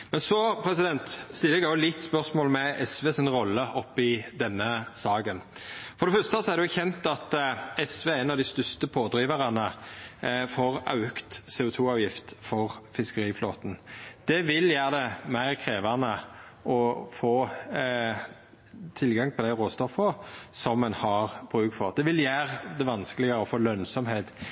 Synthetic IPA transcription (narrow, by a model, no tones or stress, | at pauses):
mɛnsɔpʰɾɛsɪd̪ɛnt̪st̪ɪlːɛɡɑɾjʊlɪt̪ːspœʁsmoːlmɛʔɛsʋeːsɪnʁɔlːəʔɔpːɪd̪ɛnːəsɑːɡənfɔɾd̪ɛfœʁst̪əsɔæʁɾd̪ɛjʊçɛnt̪ɑt̪ɛsʋeːɛnɑʋd̪ɪst̪ʏst̪əpʰoːd̪ɾiːʋəʁɑnə | foːʁɑ̰ʉkt̪seːʊt̪ʰuːɑːʋjɪft̪fɔʁfɪskəɾʁiːfloːt̪n̩d̪̥ɛʋɪljæːʁd̪ɛmæɪʁkʰʁeːʋɑnə | ʔɔfoː | t̪ʰɪlɡɑŋp̪ʰɔd̪æɪʁoːst̪ɔfːəsɔmːɛnhɑʁb̥ɾʉːɡ̪fɔʁd̪ɛʋɪljæːʁəd̪ɛʋɑnskəlɪɡəʁəɔfoːlœnsɔmheːt̪